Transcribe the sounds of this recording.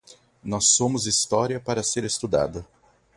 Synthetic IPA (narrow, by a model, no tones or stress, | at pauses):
nɔsːõmʊzist̪ɔɾiɐpaɾɐseɾest̪ud̪a̰d̪ɐ